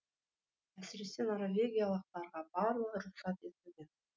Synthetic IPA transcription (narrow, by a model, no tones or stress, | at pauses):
æsɪɾesenoɾovʲeɡʲijalˠəq̚t̪ɑɾʁɑbɑɾlˠɤqɾʊ̆qsɑt̪et̪ɪld̪ɘ